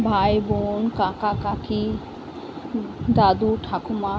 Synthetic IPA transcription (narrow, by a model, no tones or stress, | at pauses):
bʱajbonkakakaki | d̪ad̪uʈʰakuma